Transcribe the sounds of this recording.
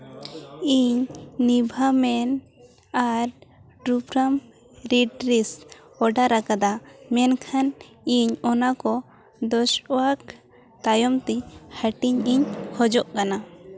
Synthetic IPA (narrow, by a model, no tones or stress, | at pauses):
iɲnibʱamɛn | aɾʈɾupɾam | ɾiɖɾis | ɔɖaɾakad̪amɛnkʰan | iɲɔnakɔ | d̪ɔʃwak | t̪ajɔmt̪ɛhəʈiɲiɲhɔd͡ʒɔʔkana